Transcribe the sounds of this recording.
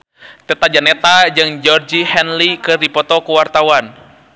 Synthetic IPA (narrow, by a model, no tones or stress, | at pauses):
t̪ɛt̪ad͡ʒanɛt̪ad͡ʒɨŋd͡ʒɔrd͡ʒihɛnlikɨrdipɔt̪ɔkuwart̪awan